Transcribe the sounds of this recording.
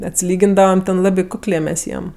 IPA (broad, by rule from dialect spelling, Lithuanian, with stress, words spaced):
ɐtʲsʲɪˈlʲiːɡʲɪndɐʋɐm tʲɛn ˈlˠɑːbʲɪ ˈkʊklʲeː mʲɛs ˈjiɛm